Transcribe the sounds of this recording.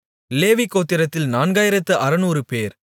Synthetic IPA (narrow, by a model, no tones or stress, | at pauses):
leːʋikːoːt̪ːɪɾɐt̪ːɪlnaːnɡaːjɪɾɐt̪ːɯʔɐɾɯnuːɾɯpeːɾ